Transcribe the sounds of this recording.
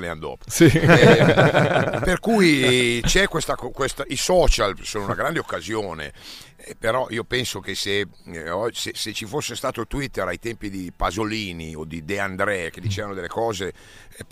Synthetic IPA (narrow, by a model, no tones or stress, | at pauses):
leand̪ɔ̰ːpsi | perkujt͡ʃɛkwest̪akɔkwest̪aʔisɔːt͡ʃalsoːnounaɡɾand̪eokːazjoːnḛ | peɾɔʔiːopɛnsokese | ɔseset͡ʃifosːest̪aːt̪ot̪wit̪ːeɾajt̪ɛmpid̪ipazoliːniod̪id̪eand̪ɾɛk̟ed̪it͡ʃeːvanod̪elːekɔːze